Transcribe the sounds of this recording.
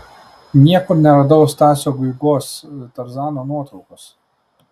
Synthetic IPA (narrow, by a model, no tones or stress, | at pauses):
nʲiɛkʊɾnʲɛɾɐd̪ɐʋost̪ɑːsʲoːɡʊɪɡoːst̪ɐɾzɑːnoːnuɔt̪ɾɔʊkos